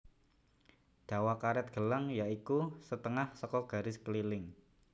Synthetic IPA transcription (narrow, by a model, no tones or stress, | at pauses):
ɖ̥a̤wakaɾɛt̪̚ɡ̥ə̤laŋjaikusət̪əŋahsɔkɔɡ̥a̤ɾɪskəlilɪŋ